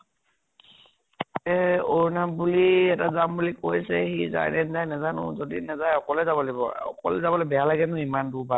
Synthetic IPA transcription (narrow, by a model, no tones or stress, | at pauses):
ɛoɹnabuliɛtazambulikojsɛxiza̰nɛnzajnɛzanʊ̰zodinɛzajɔkɔlɛzabɔlibɔ̰ɔ̰kɔ̰lɛzabɔlobɛjalaɡɛnʊimanduba